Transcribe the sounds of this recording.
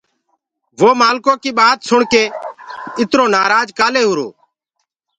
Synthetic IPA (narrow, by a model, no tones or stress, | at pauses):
ʋoːmaːlkõːkiːɓaːt̪sʊɳkeː | ɪt̪ɾõːnaːɾaːd͡ʒkaːleːɦʊːɾo̰ː